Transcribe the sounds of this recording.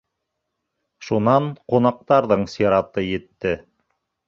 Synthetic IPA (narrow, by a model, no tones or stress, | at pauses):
ʃunɑɴqunɑq̚t̪ɑɾðɤɴsiɾɑt̪ɤjɘ̆t̪ːɘ